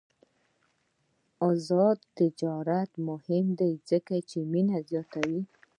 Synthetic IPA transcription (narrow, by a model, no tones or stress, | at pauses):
ɔzɑd̪t̪ɪd͡ʒɑɾat̪mʊhɪmd̪ejzəkat͡ʃeminazjɑt̪awi